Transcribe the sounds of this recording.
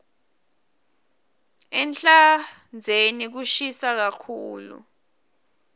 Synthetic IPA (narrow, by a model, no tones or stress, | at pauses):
ɛnt͡ɬa | nd͡zʱenik̬uʃisak̬akʰuːlṵ